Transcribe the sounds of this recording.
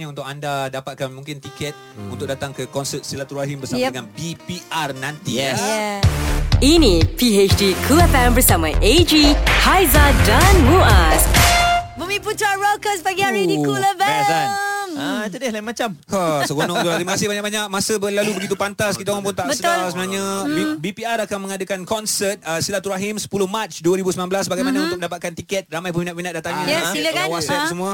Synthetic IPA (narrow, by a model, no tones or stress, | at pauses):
ɲaunt̪ʊkandadapat̪̚kanmũŋkɪnt̪ikɛt̪̚ | unt̪ʊk̚dat̪aŋkəkɔnsət̪̚silat̪uɾaɦimbərsamdəŋanpipiarnãnt̪iɛsj | inĩpiet͡ʃdikʰuɛfɛmbərsamaʔed͡ʒihajzadanmuas | bəmĩput̪ɾaɹɔkəsbaɡiaɾinikuləbɛasanmt̪udɛhlaimãt͡ʃamhasəɡonɔt̪ulat̪ɾimakasɪhbaɲakbaɲak̚mãsəbəlalubəɡit̪upant̪askit̪aŋaŋpʊnt̪aʔbəsətlasəbənarɲãibipiaɾakanmə̃ŋadəkankɔnsət̪̚əsilat̪uɾaɦimsə̥pulʊhmat͡ʃduəɾibusəmənanmblasbaɡajmanãunʊk̚mə̃ndapat̪̚kant̪ikɛt̪̚ramajpuminat̚pinat̪ʔ̚dat̪aŋɲãsiləkanwasəsumũa